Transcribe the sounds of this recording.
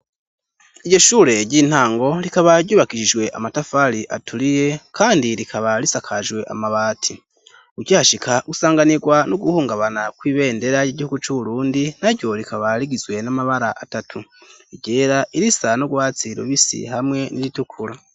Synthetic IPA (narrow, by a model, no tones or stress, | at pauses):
iɟo̞ʃuːɾe̞ɟiːn̥haːŋɡo̞ɾikaβaɾɟuːβakiʃiʒwe̞ʔamatafaɾiʔa̰tʰuɾije̞kʰaːndiɾikʰaβaɾisakʰaʒɡwe̞ʔa̰maβaːtʰi | uɾɟahaʃikʰausaːŋɡaniɡwanuɡuhuːŋɡaβanakwiːβe̞ːnde̞ɾajiɟihuɡut͡ʃuβuɾuːndin̥aɾjo̞ɾikaβaɾiɡizwe̞namaβaɾaʔatatʰu | iɟe̞ːɾaʔiɾisanoɡwaːt͡siɾṵβisḭhamŋe̞niɾitukʰuɾa